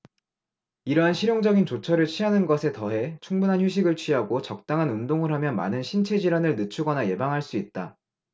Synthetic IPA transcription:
iɾʌɦanɕʰiɾjoŋd͡ʑʌɡint͡ɕot͡ɕʰʌɾɯɭt͡ɕʰiɦanɯnɡʌsʰe̞tʌɦe̞t͡ɕʰuŋbunɦançjuɕʰiɡɯɭt͡ɕʰɥiɦaɡot͡ɕʌk̚t͈aŋɦanundoŋɯɭɦamjʌnma̰nɯnɕʰint͡ɕʰe̞d͡ʑiɾanɯɭnɯt͡ɕʰuɡʌnaje̞baŋɦaɭs͈uit̚t͈a

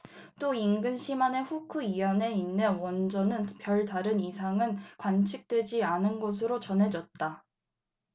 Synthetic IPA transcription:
t͈oiŋɡɯnɕʰimane̞ɸukʰuijʌne̞inːewʌnd͡ʑʌnɯnpjʌɭdaɾɯnisʰaŋɯnkwant͡ɕʰik̚t͈we̞d͡ʑianɯnɡʌs̬ʰɯɾot͡ɕʌnɦe̞d͡ʑʌt̚t͈a

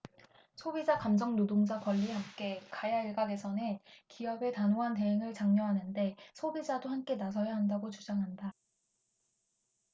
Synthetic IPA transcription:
sʰobid͡ʑakamd͡ʑʌŋnodoŋd͡ʑakwʌʎːihamk͈e̞kajaiɭɡaɡe̞sʰʌnɯnkiʌbe̞tanoɦante̞ɦeŋɯɭt͡ɕaŋɲʌɦanɯnde̞sʰobid͡ʑadohamk͈e̞nasʰʌjaɦandaɡot͡ɕud͡ʑaŋɦanda

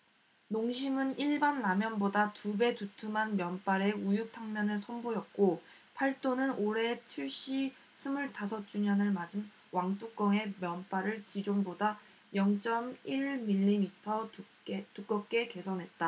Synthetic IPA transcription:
noŋɕʰimɯniɭbanːamjʌnbodatube̞tutʰumanmjʌnp͈aɾe̞ujuk̚tʰaŋmjʌnɯsʰʌnbojʌt̚k͈o | pʰaɭt͈onɯnoɾe̞t͡ɕʰiɭɕ͈i | sʰɯmuɭtasʰʌt͡ɕ͈uɲʌnɯɭmad͡ʑin | waŋt͈uk͈ʌŋe̞mjʌnp͈aɾɯɭkid͡ʑonboda | jʌŋt͡ɕ͈ʌmiɭmiʎːimitʰʌ | tuk͈ʌp̚k͈e̞ke̞sʰʌnɦe̞t̚t͈a

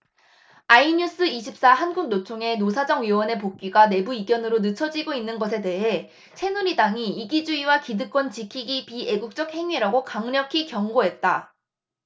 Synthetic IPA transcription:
aiɲus͈ɯiɕʰip̚s͈aɦanɡuɡ̚not͡ɕʰoŋe̞nosʰad͡ʑʌŋɥiwʌne̞p̬ok̚k͈iɡane̞buiɡjʌnɯɾonɯt͡ɕʰʌd͡ʑiɡoinːɯnɡʌs̬ʰe̞de̞ɦe̞ | t͡ɕʰe̞nuɾidaŋiiɡid͡ʑuiwakidɯk͈wʌnt͡ɕikʰiɡipie̞ɡuk̚t͡ɕ͈ʌk̚he̞ŋɥiɾaɡokaŋɲʌkʰikjʌŋɡoɦe̞t̚t͈a

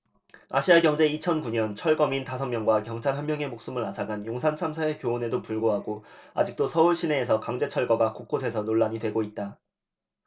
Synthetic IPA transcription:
a̰ɕʰiaɡjʌŋd͡ʑe̞it͡ɕʰʌnkuɲʌnt͡ɕʰʌɭɡʌmintasʰʌnmjʌŋɡwakjʌŋt͡ɕʰaɾɭɦjʌmjʌŋe̞mok̚s͈umɯɭasʰaɡanjoŋsʰant͡ɕʰamsʰaekjoone̞dopuɭɡoɦaɡoa̰d͡ʑik̚t͈osʰʌuɭɕ͈ʰine̞ːsʰʌkaŋd͡ʑe̞t͡ɕʰʌɭɡʌɡakok͈osʰe̞sʰʌnoɭːaɲidwe̞ɡoit̚t͈a

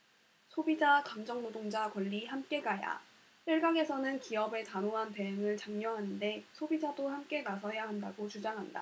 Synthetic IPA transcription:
sʰobid͡ʑakamd͡ʑʌŋnodoŋd͡ʑakwʌʎːihamk͈e̞ɡaja̰ | ɕiɭɡaŋe̞sʰʌnɯnkiʌbe̞tanoɦante̞ɯŋɯɭt͡ɕaŋɲʌɦanɯnde̞sʰobid͡ʑadohamk͈e̞nas̬ʰʌjaɦandaɡot͡ɕud͡ʑaŋɦanda̰

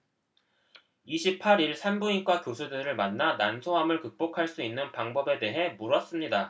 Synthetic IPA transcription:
iɕʰipʰaɾiɭsʰanbuɲik͈wakjosʰudɯɾɯɭmanːanansʰoɦamɯɭkɯk̚p͈okʰaɭs͈uinːɯnpaŋbʌbe̞de̞ɦe̞muɾʌs͈ɯmɲida

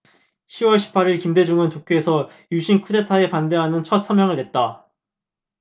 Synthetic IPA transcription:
ɕʰiwʌɭɕʰi̥p͈ʰaɾiɭkimde̞d͡ʑuŋɯntokʰjoesʰʌ | juɕʰinkʰude̞tʰae̞pande̞ɦanɯnt͡ɕʰʌt̚s͈amjʌŋɯɭtwe̞t̚t͈a

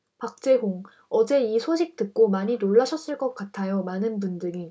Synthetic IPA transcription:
pak̚t͡ɕ͈e̞ɡoŋ | ʌd͡ʑe̞isʰoɕʰik̚t͈ɯk̚k͈omaɲinoɭːaɕʰʌs͈ɯɭk͈ʌk̚k͈atʰajomanɯnbundɯŋi

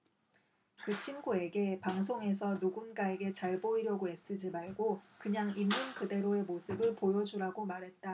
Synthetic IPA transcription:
kɯt͡ɕʰinɡue̞ɡe̞paŋs̬ʰoŋe̞sʰʌnuɡunɡae̞ɡe̞t͡ɕaɭboiɾjʌɡoe̞s͈ɯd͡ʑimaɭɡokɯɲaŋimːɯnkɯde̞ɾoe̞mosʰɯbɯɭpojʌd͡ʑuɾaɡomaɾɦe̞t̚t͈a

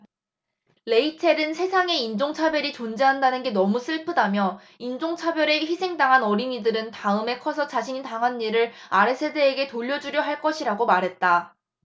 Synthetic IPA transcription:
le̞itʰe̞dɯnsʰe̞sʰaŋe̞ind͡ʑoŋt͡ɕʰabjʌɾit͡ɕond͡ʑeɦandanɯnɡe̞nʌmus͈ɯɭpʰɯdamjʌ | ind͡ʑoŋt͡ɕʰabjʌɾe̞çisʰe̞ŋdaŋɦanʌɾiɲidɯɾɯntaɯme̞kʰʌsʰʌt͡ɕaɕʰiɲitaŋɦanːiɾɯɾaɾesʰe̞de̞ːɡe̞toʎːʌd͡ʑuɾjʌɦaɭk͈ʌɕʰiɾaɡomaɾɦe̞t̚t͈a

